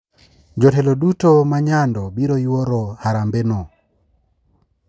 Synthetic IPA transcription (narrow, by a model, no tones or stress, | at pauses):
d͡ʒɔtɛlodutomaɲandɔbiɾojwoɾɔhaɾambenɔ